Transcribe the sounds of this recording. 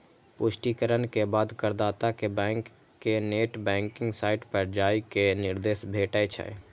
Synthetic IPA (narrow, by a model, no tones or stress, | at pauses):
pʊʃʈikəɾənkebaːd̪kəɾd̪aːt̪akebɛ̃ːŋkː | eneːʈbɛ̃ːŋkɪ̃ŋɡsaːɪʈpəɾd͡ʒaːikenɪɾd̪eːsbʱeːʈət͡ʃʰɛ̰